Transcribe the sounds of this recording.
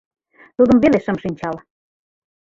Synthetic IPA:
t̪ud̪ə̆mβeleʃə̆mʃinʲt͡ɕɑl

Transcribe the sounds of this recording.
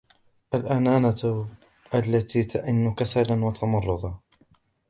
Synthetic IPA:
ʔalʔanaːna | ʔalːat̪iːt̪ʰaʔɪnːʊkasalanwat̪ʰɑmɑrˤːʊðˤɑ

